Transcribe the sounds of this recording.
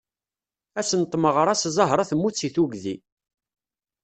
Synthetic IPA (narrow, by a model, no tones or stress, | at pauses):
æsənt̪ˤːməʁɾˤæszˤəɦɾˤɑθəmːut͡sːiθuɡðḭ